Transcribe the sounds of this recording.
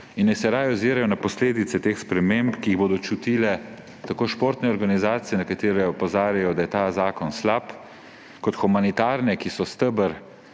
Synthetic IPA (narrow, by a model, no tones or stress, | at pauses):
inːɛsɛɾaːjɔziːɾajɔnapɔsleːd̪it̪sɛt̪exspɾɛmempkiːɣboːd̪ɔt͡ʃut̪iːlɛ | t̪akoːʃpoːɾt̪nɛɔɾɡanizaːt̪sijɛnakat̪eːɾɛɔpɔzaːɾjajɔd̪ajɛt̪aːzaːkɔnslap | kɔt̪xumanit̪aːɾnɛkisɔst̪əbəɾ